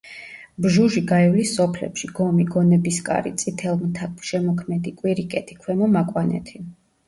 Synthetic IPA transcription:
bʒuʒiɡaivlisːɔpʰlɛ̰pʃiɡɔmiɡɔnɛbiskʼa̰ɾḭt̪sʼit̪ʰɛlˠmt̪ʰakʃɛmɔkʰmɛd̪ikʼwiɾikʼɛt̪ʰi̥kʰwɛmɔmakʼwanɛ̰t̪ʰi

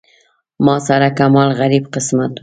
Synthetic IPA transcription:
mɑsaɾakamɑlɣaɾibqɪsmat̪

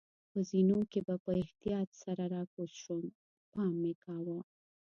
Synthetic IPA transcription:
pəzinokebapəɪht̪ijɑt̪saɾaɾɑkosʃon | pɑmːekɑwa

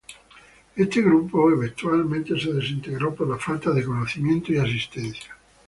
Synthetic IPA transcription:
est̪eɣɾupːoeβent̪ualmẽnt̪eseðesint̪eɣɾɔperlafalt̪aðekonoθimjent̪oeas̬ist̪ɛnθjjḁ

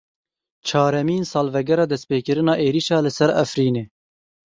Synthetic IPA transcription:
t͡ʃʰɑːɾɛmiːnsɑːlvɛɡɛɾɑːd̪ɛspeːkɨɾɨnɑːʔeːɾiːʃɑːlɨsɛɾæfɾiːneː

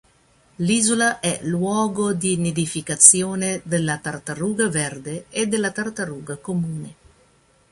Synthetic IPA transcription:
liːzolaʔɛlwɔːɡod̪ined̪ifikat̪sjoːned̪elːat̪art̪aruːɡavɛrd̪eed̪elːat̪art̪aɾuːɡakomuːne

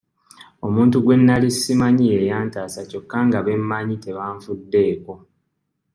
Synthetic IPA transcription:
o̞muːntuɡwe̞nːalisːimaɲie̞jaːntaːsaco̞kːaŋɡaβe̞mːaɲite̞βaːɱfudːe̞ːko̞

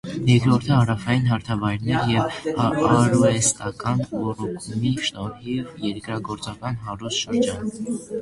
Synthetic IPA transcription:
jɛɾkɾɔɾt̪ʰəhɑɾɑfɑjinɦɑɾt̪ʰɑvɑjɾnɛɾjɛvɑɾɔɛst̪ɑkɑnvɔrɔkʰuniʃnɔɾhivjɛɾkɾɑɡɔɾt͡sɑkɑnɦɑɾust̪ʃəɾd͡ʒɑn

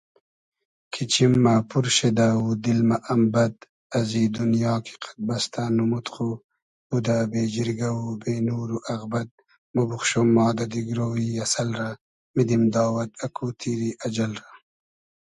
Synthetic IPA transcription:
kʰit͡ʃimːapuɾʃed̪aud̪ilmaʔːmbɐd̪̚ | ɐziːd̪unjɑːkʰi̥qʰḁt̪̚bɐst̪ʰanumut̪χu | b̥ud̪abeːd͡ʒiɾɡɐwubeːnuːɾuʔɐɣbɐd̪̚ | mubuχʃomːɑːd̪ɐd̪iɡɾoːwiɐsɐlɾa | mid̪imd̪ɑːwɐd̪̚ɐkʰut̪ʰiɾiʔɐd͡ʒɐlɾa

